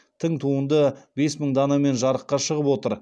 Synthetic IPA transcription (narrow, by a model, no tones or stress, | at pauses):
t̪ʰəŋt̪ʰuənd̪əbe̞sməɴd̪ɑnɑme̞nʒɑɾəqːɑʃəʁəpwo̞t̪əɾ